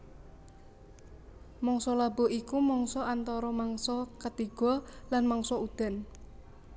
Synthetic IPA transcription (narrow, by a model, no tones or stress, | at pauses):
mɔŋsɔlabɔ̤ʔikumɔŋsɔant̪ɔɾɔmaŋsɔkət̪iɡ̥ɔ̤lanmɔŋsɔud̪̥a̤n